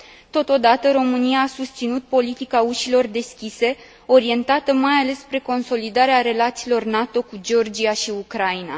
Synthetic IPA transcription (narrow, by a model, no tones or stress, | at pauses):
t̪o̞t̪o̞d̪at̪əɾo̞mɨnijaːsust̪sinut̪̚po̞lit̪ikauʃilo̞rd̪e̞skʲise̞ | o̞ɾie̞nt̪at̪əmajale̞sːpɾe̞ko̞nso̞lid̪aɾeaɾe̞lat̪siːlo̞rnat̪o̞kud͡ʒeo̞rd͡ʒiaʃiukɾaina̰